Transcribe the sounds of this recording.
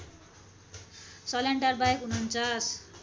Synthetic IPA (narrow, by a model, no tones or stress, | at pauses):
sʌleɳʈaɾbajkunʌnt͡sas